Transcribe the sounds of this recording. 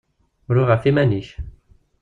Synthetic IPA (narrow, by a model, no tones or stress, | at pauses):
ɾʊʁəfimæniç